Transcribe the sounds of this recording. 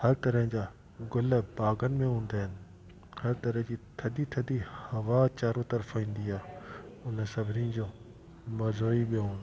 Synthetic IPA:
hɐɾt̪ɐɾəɦə̃d͡ʑaː | ɡʊləbaːɡənɪ̆mẽɦũːn̆d̪aːɦɪnɪ̆ | hɐɾt̪ɐɾəɦə̃d͡ʑiːt̪ʰɐd̪it̪ʰɐd̪ihɐʋat͡ɕaːɾot̪ɐɾfĩːn̆d̪iaːʊnəsɐbʱɪniə̃d͡ʑõː | mɐzoːiɓioɦũː

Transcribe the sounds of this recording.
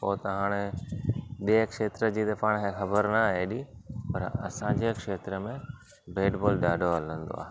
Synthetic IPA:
poːt̪ɐɦaːɽ̃e | ɗikʃeːt̪ɾəd͡ʑiːd̪ɐfʰaːɽ̃ɦẽxɐbəɾnɐɦeːɗipɐɾɐ̰sãd͡ʑekʃeːt̪ɾəmẽ | beːʈboːlɗaːɖoɐlə̃nd̪o̰a̰ːɦe

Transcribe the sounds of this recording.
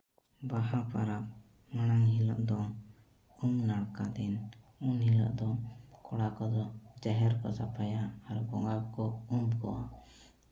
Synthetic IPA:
baɦapaɾap̚ | manajɦilɔ̰ʔd̪ɔ | umnaɽkad̪ɛn | unɦilɔ̰ʔd̪ɔkɔɽakɔd̪ɔd͡ʒaɦɛɾkɔ̰sapʰajaːɾbɔŋɡabkɔumkɔ̰wa

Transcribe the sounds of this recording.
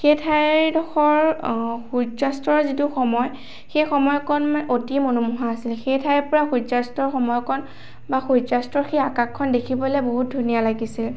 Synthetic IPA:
xetʰajdɔxɔɹxuzastɹɔɹzituxɔmɔj | xejxɔmɔjkʰɔnmotimonumuɦaːsilxejtʰajɹpɔɹaxuzastɔɹxɔmɔjkʰɔn | baxuzastɹɔɹxeakakʰːɔndekʰibɔlɛboɦut̚dʱunijalaɡisil

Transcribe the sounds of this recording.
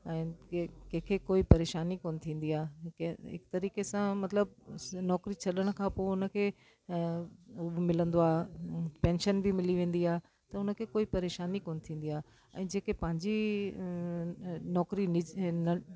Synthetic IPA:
ɛ̃ːkɐ̃ɦkʰekoːipɐɾeːʃaːnikoːn̆t̪ʰĩːn̆d̪iaːeɦɪ̰kt̪ɐɾiːkesãmɐt̪ɪləb̚nɔːkɾit͡ɕʰɐɗəɽ̃kʰãpoːʊnə̆kʰeː | ʊmɪlə̃nd̪oaːpɛ̃ːnʃənbimɪliʋẽːn̆d̪iaːɦe | t̪ɐʊnə̆kʰeːkoːipɐɾeːʃaːnikoːnt̪ʰĩːn̆d̪iaː | ɛ̰̃ːd͡ʑeːkepɐ̃ɦɪɲd͡ʑi | nɔːkɾinɪnɐ

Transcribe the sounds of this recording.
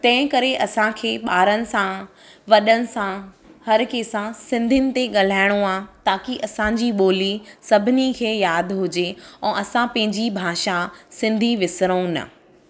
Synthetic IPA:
t̪ɐ̃ɦɪ̃kɐɾeʔɐsãkʰeːɓaːɾənɪ̆sã | ʋɐɗənɪ̆sã | hɐɾkeːsãsɪ̃nd̪ʱənɪ̆t̪eɠɐl̤aːɪɽ̃oaːt̪aːkiʔɐsãd͡ʑiːɓoːlisɐbʱɪnikʰeːjaːd̪ʱɦʊd͡ʑeɛ̃ːʔɐsãpɐ̃ɦɪ̃ɲd͡ʑibʱaːʃasɪ̃nd̪ʱiʋɪsɾəũnɐ̰

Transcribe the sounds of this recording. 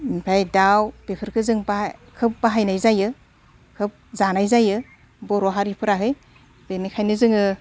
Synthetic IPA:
ipʰajdawpepʰɯɾkʰɯzɯŋbakʰɯp̚baɦajnajzajɯ | kʰɯp̚zanajzajɯ | bɔɾɔɦaɾipʰɯɾaɦɯj | b̥enikʰajnɯzɯŋɯ

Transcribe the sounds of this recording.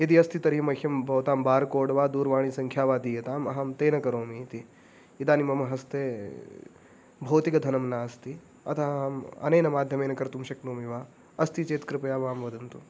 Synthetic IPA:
jɐd̪iɐst̪it̪ɐɾimɐkʰʲjɐmbʱɐʋt̪aːmbaːɾkoːɽʋaːd̪uːɾʋaːɳ̃isɐŋkʰjaːʋaːd̪iːjɐt̪aːmɐɦaːmt̪eːnɐkɐɾoːmiːt̪i | it̪aːnimɐmɐɦɐst̪eː | bʱɐːt̪ikɐd̪ʱɐnɐmnaːst̪i | ɐ̰t̪ʰɐaːmɐ̰nɐjnɐmaːd̪ʱjɐmeːnɐkɐɾt̪umʃɐknoːmiʋaː | ɐst̪it͡ʃeːt̪kɾɪpɐjaːʋaːmʋɐd̪ʱɐnt̪u

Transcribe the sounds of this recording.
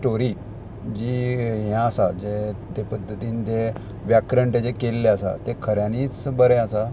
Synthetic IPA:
ʈoɾi | d͡ʑiːɦjãəsad͡ʑet̪epəd̪ʱːət̪iːnt̪e | ʋjakɾəɳʈed͡ʑekelːeasa̰t̪ekʰəɾjãniːt͡sbəɾẽasa

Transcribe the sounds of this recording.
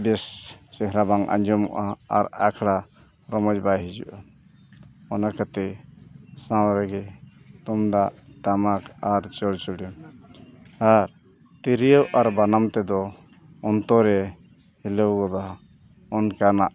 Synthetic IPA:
bɛssɛɦɾabaŋʔa̰ɲd͡ʒɔmɔ̰ʔaa̰ɾakʰɽa | ɾɔmɔd͡ʒbajɦid͡ʒṵʔa | ɔnakat̪ɛ | sãwɾɛɡɛt̪ɔmd̪aʔʈamakaɾt͡ʃɔɾt͡ʃuɽum | aɾ | t̪iɾijəwʔaɾbanamt̪ɛd̪ɔ | ɔnt̪ɔɾɛ | hiləwɡɔd̪aa | ɔnkanaʔ

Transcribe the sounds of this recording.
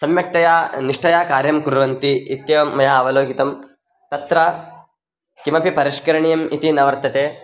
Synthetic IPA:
sɐmjɐk̚t̪ɐjaːniʂʈɐjaːkaːɾjɐmkuɾɐʋɐnt̪iːt̪jɐʋɐmːɐjaːɐʋɐloːɡit̪ɐm | t̪ɐt̪ɾɐ | kimɐpipɐɾiʃkɐɾɐɳijɐmit̪inɐʋɐɾt̪ɐt̪eː

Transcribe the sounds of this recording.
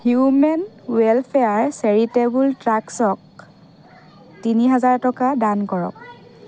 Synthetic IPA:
hjumɛn | wɛlpʰeaɹseɹitebultɹaksɔk̚ | tiniɦazaɹtɔkadankɔɹɔ̰k̚

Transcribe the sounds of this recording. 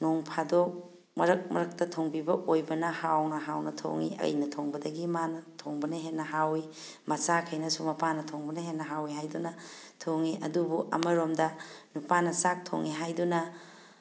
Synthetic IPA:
noŋpʰadok̚ | mɐɾɐk̚mɐ̰ɾɐk̚tɐtʰoŋbibɐʔojbɐnɐhawnɐɦawnɐtʰo̰ŋḭʔɐ̰jnɐtʰoŋbɐdɐɡimanɐtʰoŋbɐnɐɦenːɐɦawi | mɐsakʰɐjnɐsumɐpanɐtʰoŋbɐnɐɦenːɐɦawiɦajdunɐ | tʰoŋiʔɐdubuʔɐ̰mɐɾomdɐnupanɐsak̚tʰo̰ŋiɦajdunɐ

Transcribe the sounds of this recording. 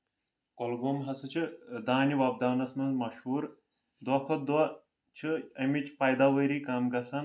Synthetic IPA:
kolɡoːmɦɐsɨt͡ʃʰɨd̪aːniʋɐb̚d̪aːnɐsmɐnzmɐʃhuːɾ | d̪ɐkʰɐt̪̚d̪wɐ | t͡ʃʰɨɐmit͡ʃpɐjd̪aʋɐɾiːkaːmɡɐsɐn

